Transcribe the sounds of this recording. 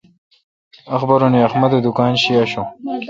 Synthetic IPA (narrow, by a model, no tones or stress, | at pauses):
ɐxbɐɾoniɐxmɐd̪od̪ukaːnɕiaɕo